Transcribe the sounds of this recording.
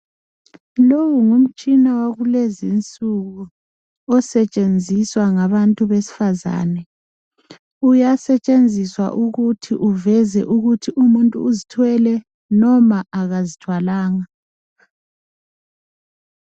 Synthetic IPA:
lowuŋum̩t͡ʃʼinawaɣulezint͡sʼuɣu | ɔsɛt͡ʃʼend͡zʱiswaŋaβantʼuβesi̥faza̰ːnɛ | ujasɛt͡ʃʼend͡zʱiswa̰ʔuɣutʰiʔuvɛzɛ̰ʔuɣutʰiʔumuntʼṵːzitʰwɛlɛ | nɔmaʔaɣazitʰwalaːŋa

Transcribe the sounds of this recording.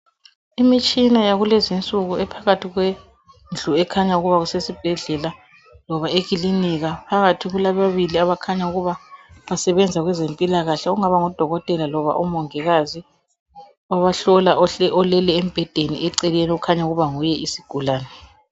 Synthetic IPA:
imit͡ʃʼinajaɣulezint͡sʼuɣuɛpʰaɣatʰiɣwe | nd͡ɮʱuɛkʰaɲauɣuβaɣusesib̥ʱɛɮɛla | lɔβaeɣiliniɣapʰaɣatʰiɣulaβaβiliaβakʰaɲauɣuβaβasɛβɛnd͡zʱaɣwɛzempʼilaɣaɬɛɔuŋaβaŋɔd̥ʱɔɣɔtʼɛlalɔβa̰ʔumɔŋɛɣazi | ɔβaɬɔlaɛɔlɛlɛem̩b̥ʱɛd̥ʱeniʔɛǀɛlenɛukʰaɲauɣuβaŋujɛʔisiɡ̥ʱulaːnɛ

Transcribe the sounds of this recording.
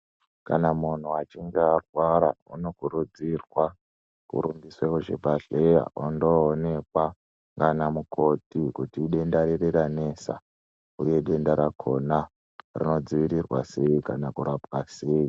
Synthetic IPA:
kanamun̤uat͡ʃiŋɡearwaɾa̰ṵno̞kuɾud͡zirwa | kṵɾumbiswekuʐebʱaɬeja̰ondo̞ːne̞kwa | ŋɡanamukʰo̞tikutiːɗe̞ndaɾereɾane̞sa̰ | uje̞ɗe̞ndaɾakʰo̞na | rḭno̞d͡ziʋiɾirwa̰se̞ikanakuɾapwase̞i

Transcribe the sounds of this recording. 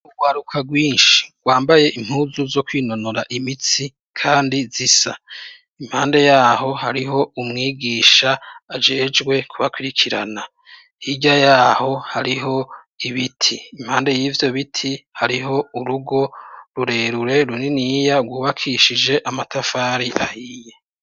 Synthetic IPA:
uɡwaɾukʰaɡwiːnʃi̥ɡ̥waːmbaje̞ʔim̥huːzuzo̞kwiːno̞noɾaʔimit͡si | kʰaːndizisa̰ | im̥haːnde̞jaːɦo̞ɦaɾiɦo̞umŋiːɡiːʃaːd͡ʒe̞ːd͡ʒɡwe̞kʰuβakwiɾikʰiɾa̰na | hiɟajaːho̞haɾiɦo̞ | iβitʰiːmhaːnde̞jiːvjo̞βitʰihaɾiɦo̞uɾuɡo̞ɾuɾe̞ːɾuɾe̞ɾuninijaɡwuːβakʰiʃid͡ʒe̞ʔamatʰafaːɾiʔa̰hiːje

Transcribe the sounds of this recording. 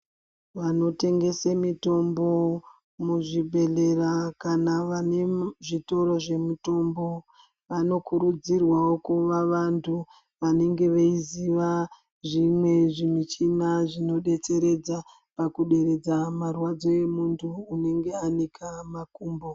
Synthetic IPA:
ʋano̞te̞ŋɡe̞semito̞mbo̞ | muʐibʱe̞ɮerakanaʋaneʐito̞ɾo̞ʐe̞muto̞mbo̞ | ʋano̞kuɾud͡zirwaokuʋaʋantʰu | ʋane̞ŋɡe̞ʋeiziʋa | ʐimwe̞ʐimit͡ʃinaʐino̞ɗe̞t͡se̞ɾe̞d͡za | pakuɗe̞ɾe̞d͡zamarwad͡zo̞e̞muntʰuːne̞ŋɡe̞anikʰamakuːmbo

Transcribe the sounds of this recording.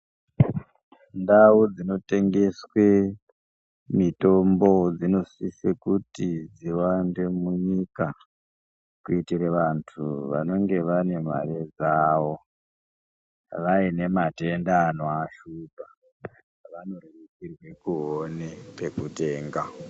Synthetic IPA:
ndaud͡zino̞te̞ŋɡe̞swe̞ | mito̞mbo̞d͡zino̞sisekutid͡ziwande̞muɲika | kuitireʋantʰuʋa̰no̞ŋɡe̞ʋane̞ma̰red͡zaːʋo̞ | ʋaine̞matendanwaʃupa | ʋano̞reikirwe̞kuɦonepe̞kute̞ːŋɡa

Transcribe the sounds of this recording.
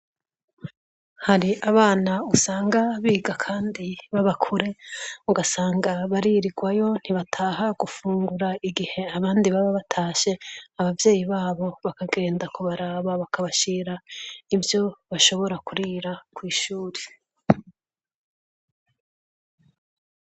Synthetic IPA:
haɾiʔaβaːnausaːŋɡaβiːɡakʰaːndiβaβakʰuɾe̞uɡasaːŋɡaβaɾiɾiɡwajo̞n̥iβatʰaːɦaɡufuːŋɡuɾaiɡihe̞aβaːndiβaβaβatʰaːʃe̞aβavje̞ːjiβaːβo̞βakaɡe̞ːndakoβaɾaβaβakʰaβaʃiːɾaibjo̞βaʃo̞βo̞ɾakuɾiːɾakwiːʃuːɾe

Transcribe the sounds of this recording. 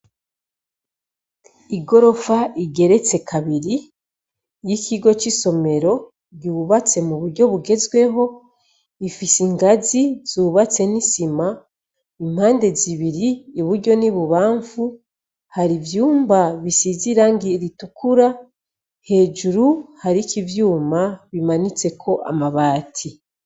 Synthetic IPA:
iɡo̞ɾo̞faʔiɡe̞ɾe̞t͡se̞kʰaβiɾi | jicʰiɡo̞t͡ʃiso̞me̞ɾo̞ | ɟuːβat͡se̞muβuɾɟo̞βuɡe̞zɡwe̞ɦo̞ | ifisiŋɡaziz̥uːβat͡se̞nisima | im̥haːnde̞ziβiɾiːβuɾɟo̞niβuβaːɱvu | haɾivjuːmbaβisiziɾaŋɡiɾitukuɾa | he̞ːd͡ʒuɾuhaɾikivjuːmaβimanit͡se̞kʰo̞ʔa̰maβaːtʰi

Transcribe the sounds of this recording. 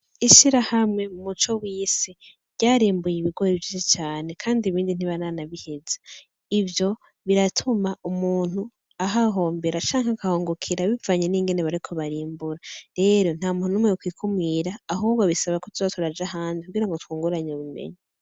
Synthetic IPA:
iʃiɾahamŋe̞mumut͡ʃo̞wiːsi | ɾɟaːɾiːmbujiβiɡwojivjit͡ʃet͡ʃaːne̞kʰaːndiiβiːndin̥iβananaβihe̞ze̥ | ivjo̞ | βiɾatʰumaumuːn̥hu | aɦaɦo̞ːmbe̞ɾat͡ʃaːŋakahoːŋɡokʰiɾaβivaɲeniːŋɡe̞neβaɾikʰo̞βaɾiːmbuɾaɾe̞ːɾo̞n̥haːmununumŋeukwiːkʰumŋiːɾaːɦuːbɡoβisaβakotuzotʰuɾad͡ʒaɦaːndikuɡiːɾaŋɡotkuːŋɡuɾaɲeoβumḛɲi

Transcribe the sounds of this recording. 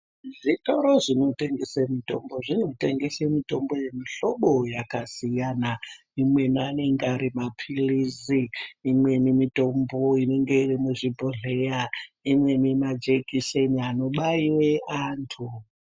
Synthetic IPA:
ʐito̞ɾo̞ʐino̞te̞ŋɡe̞semito̞mbo̞ʐino̞teŋɡe̞semito̞mbo̞je̞miɬo̞ɓo̞jakasijana | imwe̞nane̞ŋɡaɾimapʰiliziːmwe̞nimito̞mboine̞ŋɡe̞irimuʐibʱoɮejaimwe̞nimad͡ʒekiseniano̞ɓaiwe̞ʔaːntʰu

